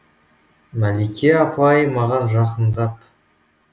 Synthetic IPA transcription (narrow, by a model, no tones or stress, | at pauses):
mælikʲʰeɑpʰɑjəmɑʁɑnʒɑqənd̪ɑp